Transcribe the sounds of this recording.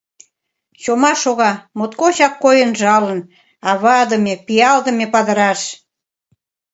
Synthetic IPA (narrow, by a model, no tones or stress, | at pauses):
t͡ɕomɑʃoɣɑmot̪kot͡ɕɑkːojənʒɑlən | ɑβɑd̪əmepijɑld̪ə̆mepɑd̪ə̆ɾɑʃ